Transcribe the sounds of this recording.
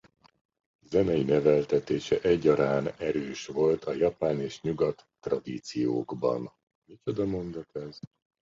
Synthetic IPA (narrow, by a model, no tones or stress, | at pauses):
zɛnɛjinɛvɛlt̪ɛt̪eːʃɛʔɛɟːɒɾaːnɛɾøːʃvo̞lt̪ʰɒjɒpaːneːʃɲuɡɒt̪ːrɒd̪iːt̪sijo̰ːɡbɒ̰n | mit͡ʃo̞d̪ɒmo̞nd̪ot̪ɛz